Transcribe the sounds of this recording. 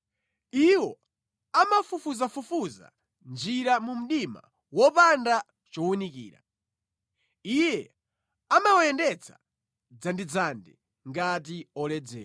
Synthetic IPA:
iwɔ | amafufuzafufuza̰ | nd͡ʒiɾamum̩ɗima̰ | wɔpanda | t͡ʃɔwunikḭːɾa̰ | ijɛ | amawɔjɛndɛt͡sʰḁ̰ | d͡zandid͡zandɛ | ŋɡat̬iɔlɛd͡zɛ̰ː

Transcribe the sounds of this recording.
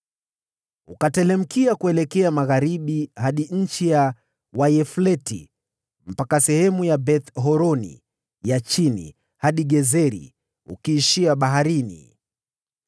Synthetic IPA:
ukatɛlɛm̩kiakuɛlɛkɛamaɣaɾiɓihaɗiɲ̩t͡ʃija | wajɛflɛtḭ | m̩pakasɛhɛmujabɛθɦɔɾɔnḭ | jat͡ʃinḭ | haɗiɡɛzɛɾḭ | ṵkiːʃiaɓaɦaɾinḭ

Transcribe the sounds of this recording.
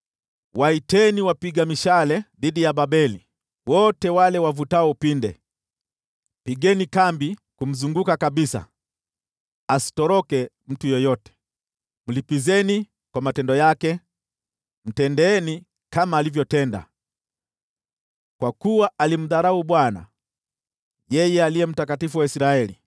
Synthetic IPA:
waitɛniwapiɡamiʃalɛðiɗijaɓaɓɛli | wɔtɛwalɛwavutaɔpindɛ̰ | piɡɛnikambikum̩zuŋɡukakaɓisa̰ | asi̥tɔɾɔkɛ | m̩tujɔjɔtɛ̥ | m̩lipizɛni | kwamatɛndɔjakɛ | m̩tɛndɛɛni | kamaːlivjɔtɛnda̰ | kwakuwaalim̩ðaɾauɓwana̰ | jɛjɛaliɛm̩takatifuwaisiɾaɛli

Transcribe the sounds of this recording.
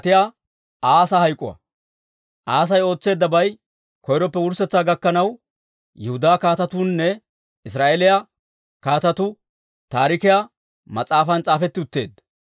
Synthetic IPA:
t̪ɪja | aːsahɐjkʼːʊ̰ɐ̰ | ʔaːs̬ɐjo̞ːt͡sːe̞ːd̪ːɐbɐj | kɔjɾɔpːɛwʊɾsɛt͡sːaːɡɐkːɐnɐw | jɛhʊd̪aːkaːt̪ɐt̪uːnːɛ | ɪs̬ɾaːʔelɪja | kaːt̪ɐt̪ʊ | t̪aːɾɪkɪja | mɐt͡sʼaːfɐnt͡sʼaːfɛt̪ːɪʊt̪ːe̞̰ːd̪ːɐ

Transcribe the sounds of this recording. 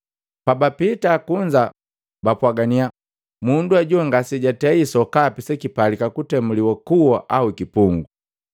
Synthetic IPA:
pabapitakuɲd͡ʒa | bapwaɡania | munduaɟuŋɡasiɟatɛisɔkapisɛkipalikakutɛmuliwakuwɔʔaukipuŋɡu

